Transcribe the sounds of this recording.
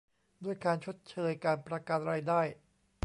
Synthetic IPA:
du˥˩əjkaː˧nt͡ɕʰo˦˥t̪̚t͡ɕʰɤː˧jkaː˧npɾa˧kaː˧˩t̪̚ɾaː˧jdaː˥˩j

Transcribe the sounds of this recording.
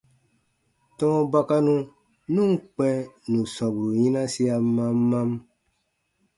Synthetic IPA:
tɔ̃˦ba˦ka˦nũ˦ | nũ˦ŋ˦k͡pɛ̃˦nũ˨sɔ̃˨bu˨ɾu˨jĩ˦nã˦si˦a˧mã˦mːã˦m

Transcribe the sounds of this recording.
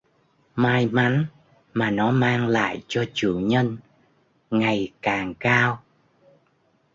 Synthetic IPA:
maː˧jma˨˦n | maː˨˩nɔ˨˦maː˧ŋla̰ː˧˨jt͡ɕɔ˧t͡ɕɨ̰˧˩əŋɲə˧n | ŋa˨˩jkaː˨˩ŋkaː˧w

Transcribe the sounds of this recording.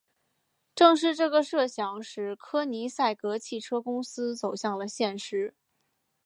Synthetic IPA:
ʈ͡ʂɤ˥˧ŋʂ̬ɻ̩˥˧ʈ͡ʂɤ˥˩ɡə˩ʂɤ˥˩ɕjɑ˧˥ŋʂɻ̩˧˩kʰɤ˥ni˧˥sa˥˩ɪkɤ˧˥t͡ɕʰi˥˩ʈ͡ʂʰɤ˥kʊ˥ŋsɹ̩˥t͡so˨˩ʊɕjɑ˥˩ŋlə˩ɕjɛ˥˩nʂɻ̩˥

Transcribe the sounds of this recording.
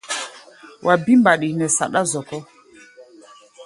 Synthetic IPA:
wʔa˨bi˦mba˨ɗi˨nɛ˨sa̰˨ɗa˦zɔ˨kɔ˦

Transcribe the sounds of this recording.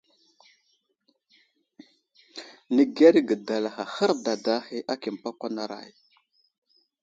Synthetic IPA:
nə˨ɡe˦ɾɡə˨da˨la˨xa˨xə˦ɾda˨da˦hi˦ʔa˦ki˨m˨pa˦kʷa˦na˦ɾa̰˨j

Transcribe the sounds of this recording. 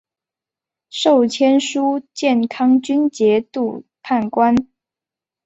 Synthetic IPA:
ʂo˥˩ʊt͡ɕʰjɛ˥nʂu˥t͡ɕjɛ˥˩nkʰɑ˥ŋt͡ɕy˥nt͡ɕjɛ˧˥t̪u˥˧pʰa˥˩nkwa˦n

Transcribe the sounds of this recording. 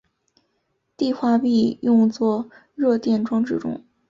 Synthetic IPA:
t̪i˥˧xwa˥˧pi˥˧jʊ˥˧ŋt͡swɔ˥˧ | ɻɤ˥˧t̪jɛ˥˩nʈ͡ʂwɑ˥ŋʈ͡ʂɻ̩˥˩ʈ͡ʂʊ̰˥ŋ

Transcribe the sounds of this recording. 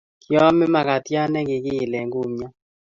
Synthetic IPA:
kjɔ˦mɪ˦ma˨ka˨tja˦nɛ˦ɡɪ˨ɡɪ˦˨lɛ˨ŋɡu˦mɲɔ˦

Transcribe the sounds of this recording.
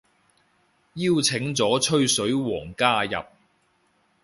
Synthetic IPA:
jiː˥wt͡sʰɪ˨˥ŋt͡sɔː˨˥t͡ʃʰɵ˥ɥsɵ˨˥ɥwɔː˨˩ŋkaː˥jɐ̰˨p̚

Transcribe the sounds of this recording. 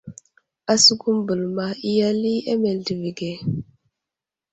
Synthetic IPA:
a˨su˦ɡu˦mbə˨lma˨i˦ja˦li˦e˦me˨ldi˨vi˨ɡe˨

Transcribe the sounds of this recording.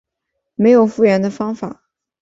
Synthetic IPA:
me˧˥ɪjo˨˩ʊfu˥˩ɥɛ˧˥nd̪ə˧fɑ˥ŋfa̰˨˩˦

